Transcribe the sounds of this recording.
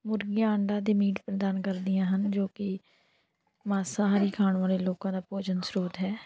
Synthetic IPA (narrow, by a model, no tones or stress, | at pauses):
mʊɾɡɪjãːəɳɖaːd̪eːmiːʈpɾəd̪aːnkəɾd̪ɪjãːɦənd͡ʒoːkɪ | maːsaːɦaːɾiːkʰaːɳʋaːleːloːkãːd̪aːpoːd͡ʒənsɾoːd̪ɦɛː